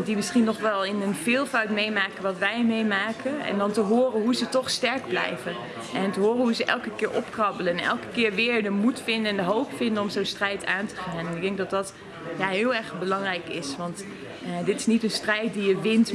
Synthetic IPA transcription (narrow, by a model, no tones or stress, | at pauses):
dimɪsχinːɔχʋɛlˠɪnənvɪːlˠfœɥtmejmaːkənʋɑtʋɛjmejmaːkʰənɛ̰ndɑntəɦʊːrəɦuzətɔχstɛɹɡ̚blɛ̰jvə | ʔɛntəɦʊːrənɦuzəʔɛ̰lˠkəkɪːɹʔɔpkrɑbələnɛ̰lˠkə̥kɪːɹʋɪːɹdəmutfɪndənndəɦowpfɪndənɔmzownstrɛjtʰa̰ːntə̥χaːnɛnɪɡ̚dɛŋɡ̚dɑtdɑt | jaɦɪːlˠɛɹχbəlɑŋrɛjkɪsʋɑntː | dɪtɪ̥snitənstrɛjt̚dijəʋɪnt